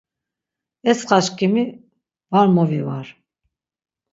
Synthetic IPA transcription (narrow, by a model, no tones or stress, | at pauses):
ɛsχaʃkʰʼimi | vaɾmɔvivaɾ